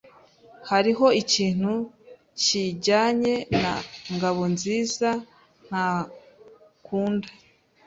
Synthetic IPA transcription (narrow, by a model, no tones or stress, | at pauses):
haɾiɦo̞iciːn̥hu | ciɟaːɲe̞naŋɡaβo̞nziːza | n̥a | kuːnda